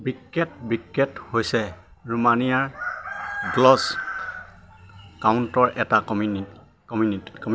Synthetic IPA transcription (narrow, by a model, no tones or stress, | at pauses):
bikːɛtbikːɛthojsɛ | ɹumanijaɹ | ɡlɔs | kaʊntɔɹʔɛtakɔmi | kɔmunii̥kɔm